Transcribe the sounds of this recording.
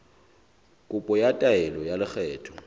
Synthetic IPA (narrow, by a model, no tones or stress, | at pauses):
kʼʊpʼɔjatʼaɛlɔjalɪk͡xʰɛːtʰɔ̥